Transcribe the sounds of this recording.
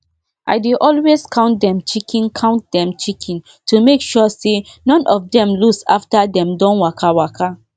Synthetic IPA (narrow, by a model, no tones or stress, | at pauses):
ʔa̰ɪdeʔɔlweskʰãʊ̃nt̚dɛ̃mt͡ʃikʰĩnkʰãʊ̃nt̚dɛ̃mt͡ʃikʰɛ̃n | tʰumekʃɔsenɔ̃nʔɔfdɛ̃mlusa̰ftadɛ̃mdɔ̃nwakʰawakʰa